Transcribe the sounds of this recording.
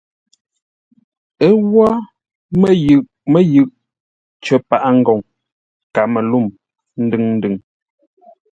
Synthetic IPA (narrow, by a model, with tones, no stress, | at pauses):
ə˦wwa˦ | mə˨jʉ˨ʔ | mə˨jʉ˦˨ʔ | t͡ʃə˨pa˨ʔa˦ŋ̩˦ɡɔ˨ŋ | ka˨mə˨lu˦˨m | n̩˦dɨ˦˨ŋn̩˦dʉ˨ŋ